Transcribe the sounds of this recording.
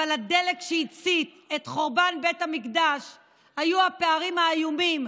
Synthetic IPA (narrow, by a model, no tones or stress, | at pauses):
alad̪e̞lekʃeit͡sit̪ | et̪χo̞ʁbanbe̞tamikd̪aʃ | hajuhapeaʁimhaːjumim